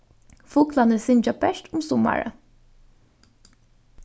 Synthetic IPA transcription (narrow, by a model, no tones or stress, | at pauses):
fuːklɑnəsɪnd͡ʒɑbɛʃʈ̪ʊmsʊmɑ̰ɹə̰